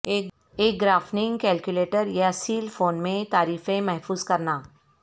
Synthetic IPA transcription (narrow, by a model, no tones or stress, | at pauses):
eː | eːk̚ɡɾaːfnɪ̃ŋɡkɛːlkjʊleːʈəɾjasiːlfoːnmẽt̪aːɾiːfẽmɛɦfuːzkɐɾnaː